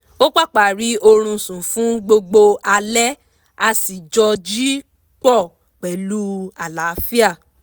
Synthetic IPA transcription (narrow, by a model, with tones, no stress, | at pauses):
o˦k͡pa˦˨k͡pa˨ɾi˨˦o˧ɾ̃ũ˧sũ˨fũ˨˦ɡ͡bo˧ɡ͡bo˧a˧lɛ˦ | a˧si˨d͡ʒɔ˧d͡ʒi˦ | k͡pɔ˦˨ | k͡pɛ˨lu˦a˨la˨˦fi˦a˦˨